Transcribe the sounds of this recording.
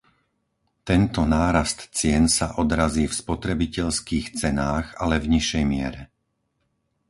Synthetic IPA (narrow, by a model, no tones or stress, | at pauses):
t̪ɛnt̪ɔnaːɾast̪t͡sɪɛnsaʔɔd̪ɾaziːfspɔt̪ɾɛbicɛʎskiːxt͡sɛnaːɣalɛvɲiʃɛjmɪɛɾɛ